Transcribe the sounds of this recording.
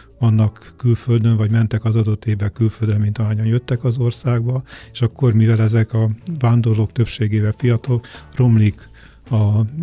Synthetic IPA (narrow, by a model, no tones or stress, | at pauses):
vɒnːɒkːylføld̪øɱvɒɟmɛnt̪ɛkɒzɒd̪o̞t̪ːeːvːɛkylføld̪rɛmint̪ɒaːɲɒnjøt̪ːɛkɒzo̞rsaːɡ̚bɒeʃɒkːo̞rmivɛlɛzɛkɒvaːnd̪o̞rloːk̚t̪ø̞pʃeːɡeːvɛfijɒt̪okro̞mlik | ɒ